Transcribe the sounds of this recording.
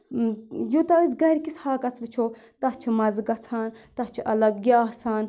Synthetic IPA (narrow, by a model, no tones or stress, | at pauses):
jut̪ɐisɡɐɾʲkishaːkɐsʋɨt͡ʃʰoː | t̪ɐt͡ʃʰumɐzɡɐt͡sʰaːnt̪ɐht͡ʃʰuʔɐlɐɡjaasaːn